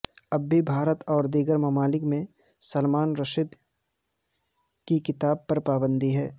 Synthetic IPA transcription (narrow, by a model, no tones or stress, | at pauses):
ɐbːibʱaːɾət̪ɔːɾd̪iɡəɾmɐmaːlɪkmẽ | sɐlmaːnɾɐʃɪd̪ | kikɪt̪aːb̚pɐɾpaːbə̃nd̪iɦɛː